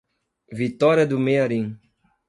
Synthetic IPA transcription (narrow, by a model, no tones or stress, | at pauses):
vit̪ɔɾiɐd̪ʊmeaɾĩ